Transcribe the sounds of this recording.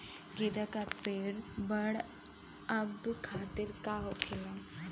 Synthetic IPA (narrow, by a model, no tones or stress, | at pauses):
ɡid̪akapeːɽbɐɽ | ɐbkʰaːt̪ɪɾkaːɦokʰela